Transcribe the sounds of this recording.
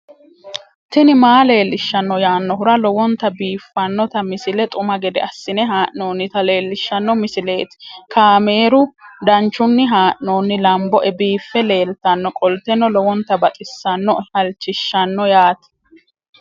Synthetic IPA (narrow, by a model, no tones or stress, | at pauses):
t̪ɪnɪmaːle̞ːlːɪʃːɐnːɔjaːnːɔɦʊɾɐlɔwɔnt̪ːɐbiːfːɐnːɔt̪ɐmɪsɪlɛt̪ʼʊmɐɡɛd̪ɛ̰ɐsːɪnɛɦaːʔno̞ːnːɪt̪ɐle̞ːlːɪʃːɐnːɔmɪsɪle̞ːt̪ɪ̥kaːme̞ːɾʊd̪ɐnt͡ʃːʊnːɪɦaːʔno̞ːnːɪlɐmbɔʔɛbiːfːɛle̞ːlt̪ɐnːɔkʼɔlt̪ɛnːɔlɔwɔnt̪ːɐbɐt̪ʼɪsːɐnːɔhɐlt͡ʃːɪʃːɐnːɔjaːt̪